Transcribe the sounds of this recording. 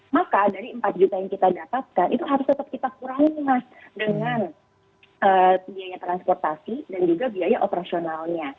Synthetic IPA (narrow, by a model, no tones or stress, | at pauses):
makadaɾiəmpat̪̚d͡ʒut̪ajaŋkit̪adapat̪̚kanʔit̪uɦaɾʊst̪ət̪əp̚kit̪akuɾaŋimas | dəŋan | ʔəːbiajat̪ɾanspɔrt̪asidand͡ʒuɡabiajaʔopəɾasionalɲa